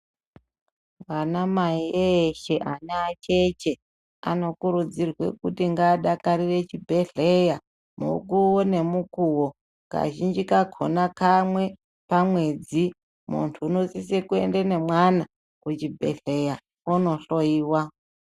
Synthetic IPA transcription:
wanamaieʃe̞ʔaneat͡ʃe̞t͡ʃe̞ | a̰no̞kuɾud͡zirwe̞̰kutiŋɡaːɗakaɾire̞t͡ʃibʱe̞ɮeja | mṵkuwone̞mukuwo | ŋka̰ʒind͡ʒikakʰo̰nakamwe̞ | pamwe̞d͡zi | mṵntʰuːnosisekue̞̰ndene̞mwana | kut͡ʃibʱe̞̰ɬeja | onoɬoiːwa

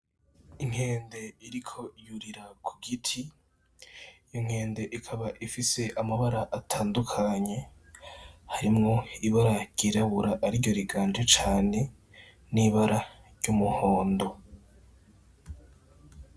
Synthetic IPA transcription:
iŋ̥he̞ːnde̞iɾikʰo̞juɾiɾakʰu̥ɡitʰi | joŋ̥he̞ːnde̞ʔikʰaβaʔifise̞ʔamaβaɾaʔatʰaːndukʰaɲe̞ | haɾimŋo̞iβaɾaɾɟ̥iːɾaβuɾaʔaɾiɾɟo̞ɾiɡaːnd͡ʒet͡ʃaːne̞ | niβaɾaɾɟumuho̞ːndo̞

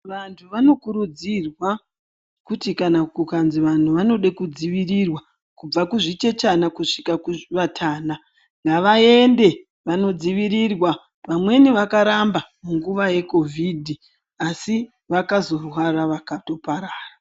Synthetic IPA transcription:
ʋantʰuʋano̞kuɾud͡zirwa | kutikanakukanziʋan̤uʋano̞ɗekud͡ziʋirirwa | kub͡vakuʐit͡ʃe̞t͡ʃanakuʂi̥kakuʋatʰaːna | ŋɡaʋae̞nde̞ | ʋano̞d͡ziʋiɾirwa | ʋamwe̞niʋakaɾambamuŋɡuʋaje̞ko̞vʱidʱi | asi | ʋakazo̞rwaraʋakato̞paɾaːra

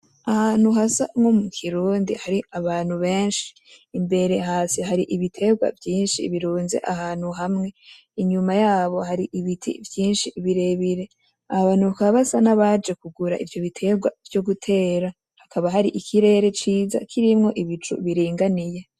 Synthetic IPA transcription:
ahaːn̥uɦasamŋo̞mukʰiɾuːndḭhaɾiaβaːn̥huβe̞ːnʃi̥ː | mbe̞ɾe̞ɦaːsiɦaɾiʔiβitʰe̞ɡwa̰vjiːnʃḭβiɾuːnze̞̰ʔahaːn̥huɦamŋe̞ | iɲumajaːβo̞haɾiʔiβitʰḭvjiːnʃiβiɾe̞βiɾe̞ | ahaβaːnukaβasanaβad͡ʒe̞kuɡuɾa̰ʔivjo̞βitʰe̞ɡwa̰vjo̞ɡutʰe̞ːɾa | hakʰaβaɦaɾiʔikʰiɾe̞ːɾe̞t͡ʃiːza̰kʰiɾimŋo̞ʔiβit͡ʃṵβiɾiːŋɡanije̞

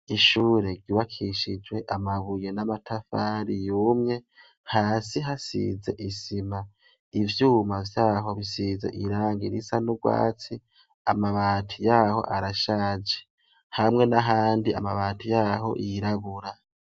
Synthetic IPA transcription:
iʃuːɾe̞ɾɟuβakʰiʃid͡ʒwe̞ʔamaβuje̞namatʰafaːɾijuːmɲe̞ | haːsiɦasḭze̞̰ʔisima | ivjuːmavjaːɦo̞βisize̞̰ʔiɾaːŋɡiɾisanuɡwa̰ːt͡si | amaβaːtʰijaːho̞̰ʔaɾaʃaːd͡ʒe̥ | hamŋe̞naɦaːndia̰maβaːtijaːɦo̞̰ʔiɾaβuɾa

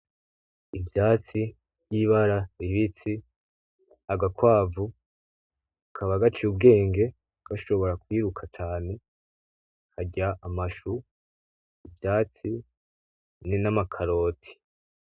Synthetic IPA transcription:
ivjaːt͡si̥ | ɟiːβaɾaɾiβit͡si | aɡakwaːvu | kʰaβaɡat͡ʃiub̚ɡe̞ːŋɡe̞ | ɡ̥aʃo̞βo̞ɾakwiːɾukʰat͡ʃaːne̞ | haɟaʔːmaʃu | ivjaːt͡si | ninamakʰaɾo̞ːtʰi̥

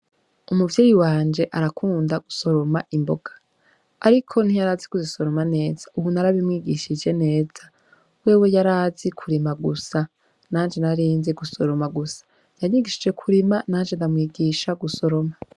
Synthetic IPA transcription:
umuvjeːjiwaːnd͡ʒe̞ʔaɾakʰuːndaɡ̥uso̞ɾo̞maʔimbo̞ɡ̥ḁ | aɾikʰo̞n̥ijaɾaːzikuziso̞ɾo̞mane̞ːz̥aʔuβunaɾaβimŋiːɡiʃid͡ʒe̞ne̞ːz̥a | we̞ːwe̞jaɾaːzikʰuɾimaɡusa | naːnd͡ʒe̞naɾiːnzeɡuso̞ɾo̞maɡusḁ | jaɲiɡiʃid͡ʒe̞kʰuɾimanaːnd͡ʒe̞ndamŋiːɡiːʃaɡuso̞ɾo̞ma

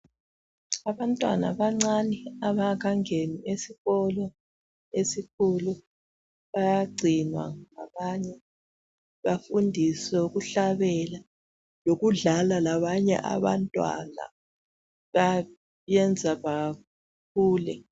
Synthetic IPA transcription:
aβantʼwa̰na̰βaŋ͡ǀaniaβak̬ʰaŋeniesiɣɔlɔ | esikʰulu | βajaɡ͡ǀʱinwa̰ŋaβaɲɛ | βafundʱisɛuɣuɬaβɛla | loɣuɮalalaβaɲɛ̰ʔa̰βa̰ntʼwa̰na̰ | βa | jɛnd͡zʱaβa | kuːlɛ̰

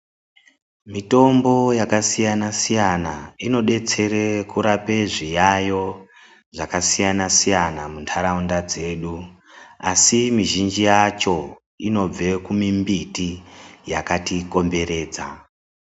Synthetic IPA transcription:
mito̞mbo̞jakasijanasijanaino̞ɗe̞t͡se̞ɾekuɾape̞ʐijajo̞ | ʐakasijanasijanamuntʰaɾaundad͡ze̞ːɗu | asimiʒind͡ʒijat͡ʃo̞ | ino̞b͡ve̞kumimbitijakatiko̞mbe̞ɾe̞ːd͡za

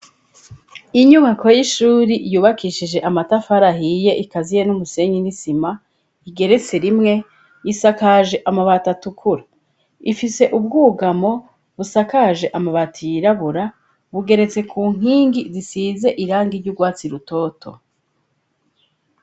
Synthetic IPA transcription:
iɲuŋakʰojiʃuːɾijuːβakiʃid͡ʒe̞ʔamatafaɾaɦije̞ʔikazijenumuse̞ɲɡinisima | iɡe̞ɾe̞t͡se̞ɾimŋe̞ | isakaʒe̞ʔamaβatatukʰuɾa | ifise̞ʔubɡuːɡamo̞ | βusakaʒe̞ʔamaβatajiɾaβuɾa | βuɡe̞ɾe̞t͡se̞kʰuːŋ̥iːŋɡizisize̞ʔiɾaːŋɡiɾɟuɡwaːt͡siɾuto̞ːtʰo̞̰

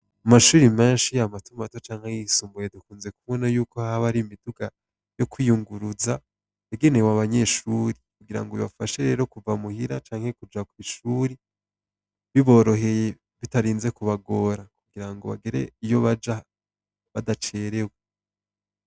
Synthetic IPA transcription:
amaʃuːɾime̞ːnʃijamatumatot͡ʃaːŋ̥hejisuːmbuje̞dukuːnze̞kuβonajuːko̞haβaɾimiduɡa | jo̞kwijuŋɡuɾuza | eɡenewaβaɲe̞ːʃuːɾikuɡiɾa̰ŋɡoiβa̰faʃe̞ɾe̞ːɾo̞kuvamuhiɾat͡ʃaːŋhe̞kud͡ʒakwiʃuːɾi | βiβo̞ːɾo̞ɦe̞je | βitaɾiːnze̞kuβaɡo̞ɾakuɡiɾaŋɡo̞βa̰ɡeɾe̞̰ijo̞βad͡ʒa | βadat͡ʃeːɾewe

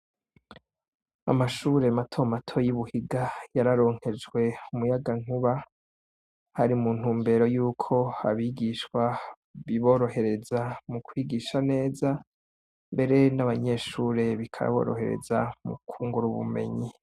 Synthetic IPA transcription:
a̰maʃuːɾe̞matʰo̞matʰo̞jiβuhiɡajaɾaɾo̞ːŋ̥he̞d͡ʒɡwe̞umujaɡaŋ̥uβa | haɾimuːn̥huːmbe̞ɾo̞juːkʰo̞a̰βiːɡiʃwa | βiβo̞ːɾo̞he̞ɾe̞zamukʰwiːɡiːʃane̞ːza | mbe̞ɾe̞naβaɲe̞ːʃuːɾe̞βikʰa̰ɾa̰βo̞̰ːɾo̞̰he̞̰ɾḛzamṵkʰuːŋɡuɾuβṵme̞̰ɲi

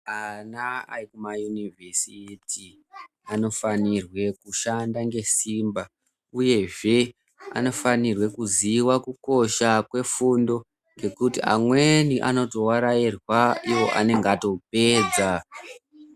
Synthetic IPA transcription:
anaa̰rikumajunivʱesiti | ano̞fanirwe̞kuʃandaŋɡe̞simba | uje̞ʐe̞ | a̰no̞fanirwe̞kuziwakuko̞ʃakwe̞fundo̞ | ŋɡe̞kutia̰mwe̞niʔa̰no̞to̞waɾairwaiwo̞ʔa̰ne̞ŋɡato̞p̚e̞ːd͡za

